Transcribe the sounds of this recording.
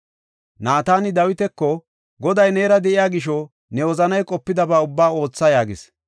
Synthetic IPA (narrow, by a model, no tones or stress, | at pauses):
naːt̪aːnɪd̪ɐwɪt̪ɛkːɔ | ɡɔd̪ɐjne̞ːɾɐd̪ɛʔɪjaːɡɪʃ̬ɔ | nɛwɔzɐnɐjkʼɔpːɪd̪ɐbaːʊbːaːo̞ːt͡sːɐjaːɡɪs